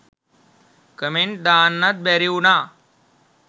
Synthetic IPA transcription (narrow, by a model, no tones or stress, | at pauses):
kəmenʈ̚d̪anːat̪̚bɛɾiuna